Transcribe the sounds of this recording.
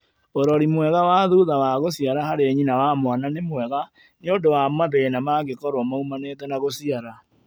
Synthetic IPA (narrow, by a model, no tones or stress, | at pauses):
oɾɔɾimwɛɣawaðuðawaɣosiaɾahaɾeɲinawamwananemwɛɣa | neondowamaðenamaɣekɔɾɔmaumanet̬ɛnaɣosiaɾa